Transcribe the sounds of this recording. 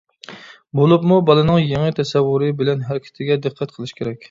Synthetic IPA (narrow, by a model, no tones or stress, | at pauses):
bolˠɨpmubɑlˠɨnɨŋjeŋɪt̪ʰɛsɛwːuɾɨbɪlɛnɦæɾɪkʲʰɪ̥t̪ʰɪɡʲɛd̪ɨqʰːæt̪̚qʰəlˠɨʃkʲʰeɾɛkʲ